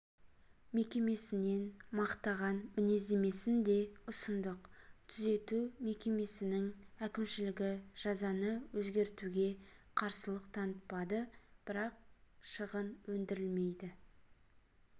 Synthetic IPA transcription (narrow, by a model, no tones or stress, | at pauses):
me̞kʲe̞me̞sɪne̞nmɑqt̪ɑʁɑnmɪne̞ze̞me̞sɪnd̪e̞ʊsənd̪əqt̪ʰʏze̞t̪ume̞kʲe̞me̞sɪnɪŋækʲɪmʃɪlɪɡʲɪʒ̥ɑzɑnəwɵzɡʲe̞ɾt̪uɡʲe̞qʰɑɾsəlˠəqt̪ʰɑnət̪̚pɑd̪əb̥ɪɾɑq̚ʃəʁənwɵnd̪ɪɾɪlme̞jd̪ɪ